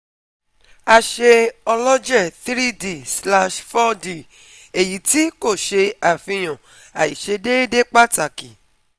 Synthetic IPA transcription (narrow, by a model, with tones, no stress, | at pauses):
a˧ʃe˧ɔ˧lɔ˦d͡ʒɛ˦˨θɾi˦de˦˨sla˧ʃfɔ˦di˦˨ | e˨ji˨˦ti˦ko˦˨ʃe˧a˨fĩ˧j̃ɔ̃˨ | a˨ji˨ʃe˧de˦de˦k͡pa˦ta˨ki˨